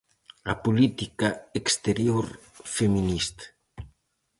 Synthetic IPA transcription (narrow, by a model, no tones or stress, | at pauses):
apulit̪ikaekst̪eɾjoɾ | femĩnist̪